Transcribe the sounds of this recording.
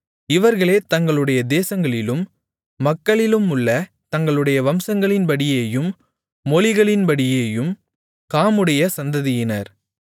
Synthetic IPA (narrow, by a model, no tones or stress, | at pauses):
ɪʋɐɾɣɐɭeːt̪ɐŋɡɐɭɯɽɐjɐd̪eːsɐŋɡɐɭɪlɯmː | ɐkːɐɭɪlɯmʊɭːɐ | t̪ɐŋɡɐɭɯɽɐjɐʋɐmsɐŋɡɐɭɪnpɐɽɪjeːjɯmː | ɔlɪɣɐɭɪnpɐɽɪjeːjɯm | kaːmɯɽɐjɐsɐnd̪ɐðɪjɪnɐɾ